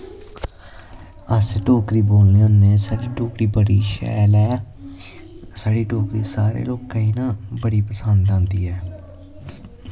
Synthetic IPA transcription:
əsʈoːkɾiːboːlneːʊnːeːsaːɖiːʈoːkɾiːbəɽiːʃɛ̰ːlɛː | saːɖiːʈoːkɾiːsaːɾḛːloːkːəiːnãːbəɽiːpəsənd̪ãːnd̪iːɛː

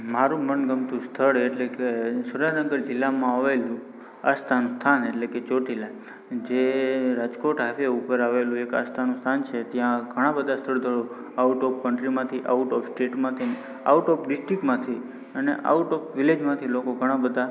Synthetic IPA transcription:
maɾũmənɡəmt̪ũst̪ʰəɭeʈlekesuɾanəɡəɾd͡ʒɪlːamãaʋelũ | ast̪ʰanũst̪ʰaneʈleket͡ʃoʈilaj | d͡ʒeɾad͡ʒkoʈɦafeupəɾaʋelũeka̰st̪ʰanũst̪ʰant͡ʃʰet̪jãɡʱəɽ̃ãbəd̪ʱast̪ʰəɭd̪ʱəɭo | auʈɔp̚ʰkəɳʈɾimãt̪ʰiʔa̰uʈɔfsʈeʈmãt̪ʰin | a̰uʈɔpʰɖɪsʈɾikmãt̪ʰi | ənḛʔa̰uʈɔpʰʋiled͡ʒmãt̪ʰilokoɡʱəɽ̃ãbəd̪ʱa

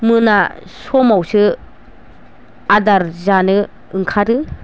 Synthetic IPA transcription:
mɯnasɔmawsɯ | adaɾzanɯ | ɯŋkʰaɾɯ

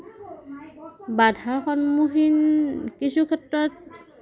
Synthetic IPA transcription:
badʱaɹxɔnmuxinkisukʰɛtɹɔt̚

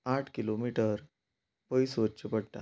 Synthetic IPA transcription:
aʈʰkilomiʈəɾ | pəjsʋət͡ɕepəɽʈ̪a̰

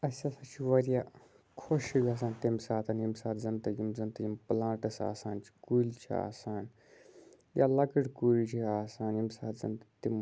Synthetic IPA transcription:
ɐsʲasɐt͡ʃʰiʋɐɾijaː | kʰoʃiɡaːs̬aːnt̪imsaːt̪ʰɐnimsaːt̪zɐnt̪ɐjimzɐnt̪ɐjimplãːʈɐsa̰ːsaːnt͡ʃʰi̥kuːlt͡ʃʰḭa̰ːsaːn | jʔa̰ːlɐkɨɽkuːlʲt͡ʃʰiaːsaːnimsaːt̪zɐ̰nt̪t̪im

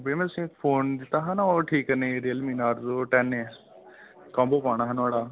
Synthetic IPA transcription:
bemɛ̃t̪ʊsĩkpʰoːnd̪ɪt̪ːaːɦãnaoːʈʰiːkənẽːeɾejəlmiːnaːɾzoːʈɛːnẽ | kãːmboːpaːɽ̃aːɦənaːɽaː

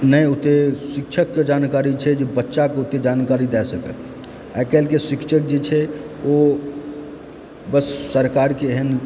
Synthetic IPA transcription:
nəjut̪esikt͡ʃʰəkːed͡ʒankaɾit͡ʃʰɛd͡ʒebətːʃakeut̪ed͡ʒankaɾid̪ɛsəkɛ̰ | akɛlkesikt͡ʃʰək̚d͡ʒet͡ʃʰɛ | o | bəsːəɾkaɾkeɦən

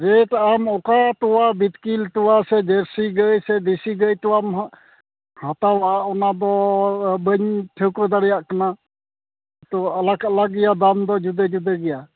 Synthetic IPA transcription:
ɾeʈamɔkat̪ɔwabit̪kilt̪ɔwasɛd͡ʒɛɾsiɡəjsɛd̪isiɡəjt̪ɔwam | hat̪awaaʔɔnad̪ɔbəɲtʰəwkɾəd̪aɽɛjaʔkana | t̪ɔalakalaɡɛjad̪amd̪ɔd͡ʒud̪ɛd͡ʒud̪ɛɡɛja

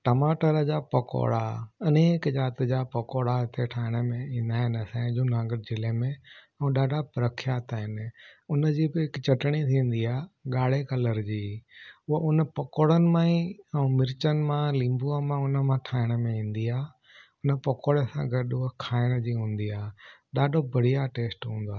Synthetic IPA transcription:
ʈɐmaːʈəɾəd͡ʑaːpɐko̰ːɽa̰ɐneːkd͡ʑaːt̪ɪd͡ʑaːpɐkoːɽaɪt̪ʰeʈʰaːɪɽ̃əmẽĩːnd̪aːɦɪnɐsãːd͡ʑõːnaːɡəɾd͡ʑɪlemẽ | ɛ̃ũɗaːɖʱapɾəkʰjaːt̪aːɦɪnʊnə̆d͡ʑiːbɪɦɪkt͡ɕɐʈɽ̃it̪ʰĩːn̆d̪iaːɠaːɽ̤ekɐləɾd͡ʑiːʊɦʊnəpɐkoːɽənɪ̆mãĩɛ̃ũmɪɾt͡ɕənɪ̆mãlĩːmbuamãʊnəmãʈʰaːɪɽ̃əmẽĩːn̆d̪iaː | ʊnəpɐkoːɽesã̰ɡɐɗʊɦkʰaːɪɽ̃d͡ʑiːɦũːn̆d̪iaːɗaːɖʱobɐɽ̤ijaʈeːsʈɦũːn̆d̪aː

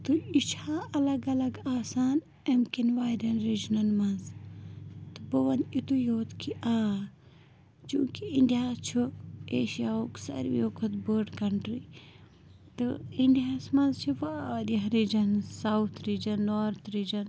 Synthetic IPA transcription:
t̪uit͡ʃʰaːɐlɐɡɐlɐɡaːsaːn | emkinʋaːjɾɐnɾid͡ʒnɐnmɐnz | t̪ɨboʋɐnit̪ujoːt̪kʰiʔaː | t͡ʃũːkiiɳɖijaːt͡ʃʰueːʃijaːoːksɐ̰ɾʋjoːkʰɐt̪bəːɖkɐɳʈɾi | t̪ɨiɳɖijaːsmɐnzt͡ʃʰiʋaɾɐɦɾiːd͡ʒɐnsawt̪ʰɾiːd͡ʒɐnːoːɾt̪ʰɾiːd͡ʒɐn

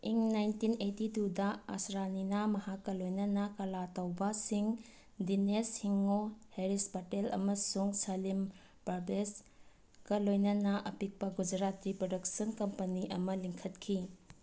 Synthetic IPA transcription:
iŋnajntinetitudɐɐ̰sɾaninamɐhakːɐlojnɐnɐkɐlatɐwbɐsiŋ | dineshiŋoheɾispatelɐ̰mɐsuŋsɐlim | pɐɾbes | kɐlojnɐnɐʔɐpik̚pɐɡud͡ʒɐɾatɾipɾodɐk̚sɐnkɐmpɐniʔɐmɐliŋkʰɐtkʰi

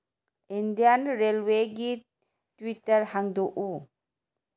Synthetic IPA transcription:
ind̪ijanɾelweɡi | twitəɾhaŋd̪oʔu

